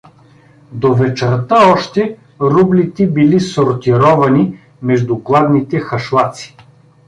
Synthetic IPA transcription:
d̪ovɛt͡ʃɛɾt̪əɔʃt̪ɛ | ɾublit̪ɛbilisoɾt̪iɾɔvɐni | mɛʒd̪ʊɡlˠad̪nit̪ɛxɐʃlˠat̪si̥

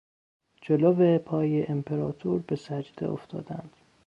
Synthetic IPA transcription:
d͡ʒolovepʰɒːjeʔempʰeɾɒːt̪ʰuːɾbe̞sæd͡ʒd̪ḛʔoft̪ʰɒ̰ːd̪ænd̪̥

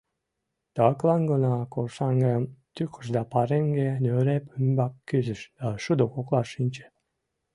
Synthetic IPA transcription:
t̪ɑklˠɑŋɡənɑkolʃɑŋɡemt̪ykʰə̥ʃd̪ɑpɑɾeŋɡenøɾepymbɑkːyzəʃd̪̥ɑʃud̪okoklˠɑʃinʲt͡ɕe̥

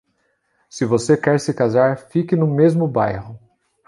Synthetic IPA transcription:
sɪvosekɛɾsɪkazaɾfikɪnʊmezmʊbajhʊ

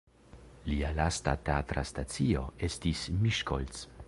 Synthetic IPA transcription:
lialasta̰teatɾastat͡sio̞̰e̞stismiʃkols

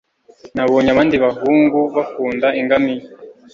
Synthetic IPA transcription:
naβoːɲaβaːndiβaɦuːŋɡuβafuːndaiŋɡami

